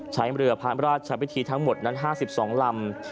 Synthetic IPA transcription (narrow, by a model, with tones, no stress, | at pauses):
t͡ɕʰa˦˥jɾɯ˧ɐpʰaː˦˥ɾaː˥˩t̪̚t͡ɕʰa˧pʰi˦˥t̪ʰiː˧t̪ʰa˦˥ŋmo˨˩t̪̚na˦˥nɦaː˥˩si˨˩p̚sɔː˩˦ŋla˧m